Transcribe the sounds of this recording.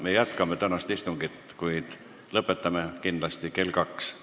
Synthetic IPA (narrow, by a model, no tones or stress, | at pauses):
me̞jæt̪kɑmet̪ænɑst̪ist̪uŋɡ̥it̪kujd̪̥ | lɤpːˑe̞t̪ːˑɑmekind̪̥lɑst̪ike̞lʲkɑks